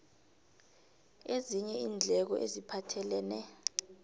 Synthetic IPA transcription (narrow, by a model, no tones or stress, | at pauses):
eziɲɛiːnd͡ɮʱɛk̬ɔʔezipʰatʰɛlɛːnɛ